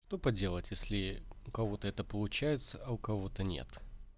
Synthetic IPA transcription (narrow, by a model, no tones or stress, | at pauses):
ʂt̪o̞pɐdʲelˠətʲjesʲlʲɪʊkɐvo̞t̪əɛt̪əpəlˠʊt͡ɕæjɪt̪səɐʊkɐvo̞t̪ənʲḛt̪